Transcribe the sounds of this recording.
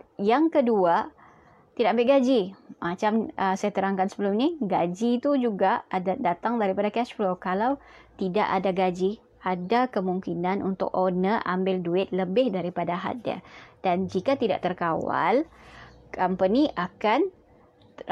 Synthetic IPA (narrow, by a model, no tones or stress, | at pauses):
jaŋkədua | t̪idak̚ambɪʔɡad͡ʒimat͡ʃaməsajat̪əɾaŋkansəbəlʊmniɡad͡ʒit̪ud͡ʒuɡaadadat̪aŋdaɾipadakɛspɾokalaw | t̪ida̰ʔadaɡad͡ʒi | adakəmuŋkinãnṵnt̪ʊ̰k̚ʔonəʔa̰mbɪlduɪt̪̚ləbɪhdaɾipadaɦa̰t̪̚da̰d̥and͡ʒikat̪ida̰ʔt̪ərkawa̰l | kampəniʔakan